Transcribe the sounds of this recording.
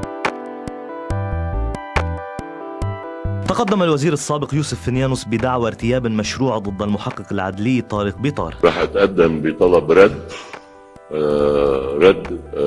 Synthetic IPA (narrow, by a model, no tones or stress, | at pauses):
t̪ɑqɑd̪ːamalwaziːɾɑsːaːbɪqjuːsʊfːɪnjaːnʊsbɪd̪aʕwaɾt̪ɪjaːbmaʃɾuːʕd̪ˤɨd̪ˤːalmʊħɑqːɨqalʕad̪lɪjːt̪ˤːɑːɾiq̚bit̪ˤɑ̰ːɾˤɾˤɑːħʔat̪ʔad̪ːambɪt̪ˤɑlɑbɾˤɑd̪ː | ɾˤɑd̪ː